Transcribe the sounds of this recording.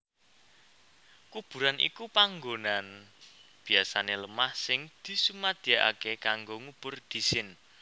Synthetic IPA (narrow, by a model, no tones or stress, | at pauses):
kub̥ṳɾanʔḭkupaŋɡonanb̥i̤asaneləmahsɪŋd̪̥i̤sumad̪̥i̤aʔa̰kekaŋɡoŋub̥ʊrd̪̥i̤sɪn